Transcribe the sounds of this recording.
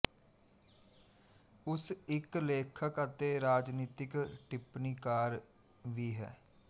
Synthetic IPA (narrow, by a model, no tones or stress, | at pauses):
ʊsɪkleːkʰəkət̪eːɾaːd͡ʒniːt̪ɪkʈɪpniːkaːɾ | ʋiːɦɛ̰ː